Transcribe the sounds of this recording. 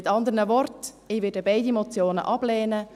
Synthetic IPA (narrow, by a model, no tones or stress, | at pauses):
ɪtɑnd̪əɾnəvɔrt | ɪːʋɪdəbaɪdimɔt͡sjoːnə̰ʔɑb̥lɛːnə